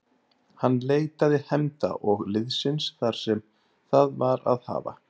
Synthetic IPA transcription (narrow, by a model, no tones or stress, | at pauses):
hanːleːjt̪aðɪhɛmt̪a̰ʔɔɣlɪðsɪnsθaɾ̥sɛm | θaðvaɾa̰ðha̰ːva̰